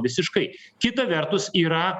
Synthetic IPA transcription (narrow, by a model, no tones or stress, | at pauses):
ʋʲɪsʲɪʃkɐɪkʲɪt̪ɐʋʲɛɾt̪ʊsiːɾɐ